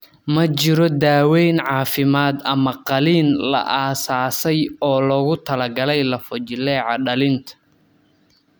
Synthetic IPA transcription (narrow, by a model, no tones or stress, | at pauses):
mɐt͡ʃɪɾɔd̪aːwɛjnʕɑːfɪmaːd̪ɐmɐqɑliːnlɐ̰ʔaːsaːsɛjɔːlɔɣʊt̪ʰɐlɐɡɐlɛjlɐfɔt͡ʃɪlɛːʕɑɖɐlɪnt̪ʰɐ̥